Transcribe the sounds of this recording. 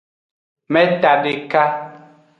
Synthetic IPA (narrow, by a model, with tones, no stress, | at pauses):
mɛ˦ta˨de˨ka˦